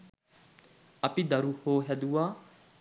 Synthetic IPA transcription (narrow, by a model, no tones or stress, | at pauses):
ɐpid̪ɐɾuːhoːɦɛd̪uaː